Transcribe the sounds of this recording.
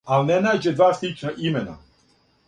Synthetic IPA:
alinenaːd͡ʑed̪ʋaːslˠit͡ʃnaʔimena̰

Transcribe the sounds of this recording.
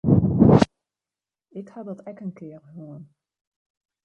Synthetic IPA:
ɪkhɑdɔtɛkənkɪːərɦuən

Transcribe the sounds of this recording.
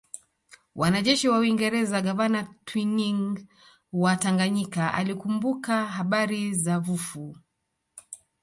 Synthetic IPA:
wʔanaʄɛʃiwauiŋɡɛɾɛzaɡavanatwiniŋ | wataŋɡaɲikaʔa̰likumbukaɦaɓaɾizavufu

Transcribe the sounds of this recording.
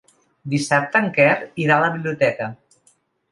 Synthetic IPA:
d̪isap̚t̪əŋkɛriɾaləβiβliut̪ɛkə

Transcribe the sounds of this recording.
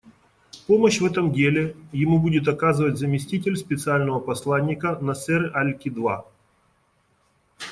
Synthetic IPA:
poməɕvɛt̪əmdʲelʲɪjɪmubudʲɪt̪ɐkazɨvətʲzəmʲɪsʲtʲitʲɪlʲspʲɪt̪sɨalʲnəvəpɐslˠanʲːɪkənɐsɛɾɨʔalʲkʲɪd̪va̰

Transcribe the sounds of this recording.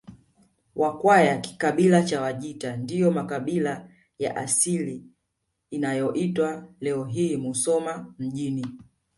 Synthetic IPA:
wʔakwajaki̥kaɓilat͡ʃawaʄitandijɔmakaɓila | ja̰ʔasiliː | najɔʔitwalɛɔɦiːmusɔmam̩ʄini

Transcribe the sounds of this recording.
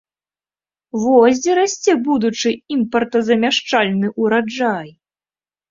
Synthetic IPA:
vɔzʲd͡zʲɛɾasʲt͡sʲɛbud̪ut͡ʂɨimpɐrt̪ɐzɐmʲaʂt͡ʂalʲnɨʔuɾad͡ʐaj

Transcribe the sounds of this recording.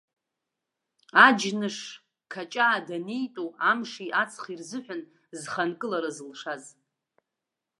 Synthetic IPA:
ad͡ʒnɨʂ | kʰat͡ʃʼaːdanejtʼoamʂiʔat͡sʰχirzɨħʷᶣʊn | zχankʼɨlaɾazɨlʂaz

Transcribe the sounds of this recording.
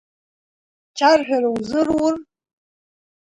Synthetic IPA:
t͡ʃʰarħᶣaɾawzɨrwʊr

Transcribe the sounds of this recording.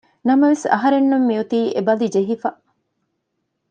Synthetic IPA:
nɐmɐʋesɐ̰ɦɐɾenːumːiut̪iːʔebɐlid͡ʒeɦifɐ

